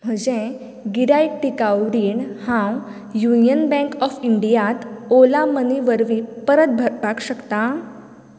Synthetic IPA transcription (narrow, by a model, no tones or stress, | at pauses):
m̤əd͡ʑẽ | ɡiɾajʈʈikawɾiɳhãw | junijənbɛ̃ŋkɔfiɳɖijat̪olaməniʋəɾʋĩpəɾət̪̚bʱəɾbʱaɡɕəkt̪a